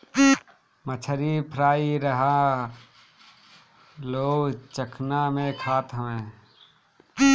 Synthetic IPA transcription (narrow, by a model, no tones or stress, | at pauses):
mət͡ʃʰəɾipʰɾaːiɾəɦa | loːɡt͡ʃəkʰnamẽkʰaːt̪ɦəʋẽː